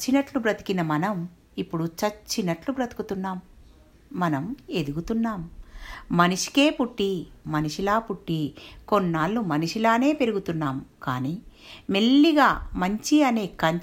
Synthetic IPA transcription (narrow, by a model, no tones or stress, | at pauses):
t͡ʃːinɐʈlubɾɐt̪i̥kinɐmɐnɐm | ipːuɽut͡ʃɐt͡ʃːinɐʈlubɾɐt̪i̥kut̪unːaːmː | ɐnɐme̞d̪uɡut̪unːaːmː | ɐniʂi̥ke̞ːpuʈːimɐniʂilaːpuʈːikonːaːlːumɐniʂilaːne̞ːpe̞ɾuɡut̪unːaːmka̰ːniːme̞lːiɡaːmɐɲt͡ʃiɐne̞ːkɐɲ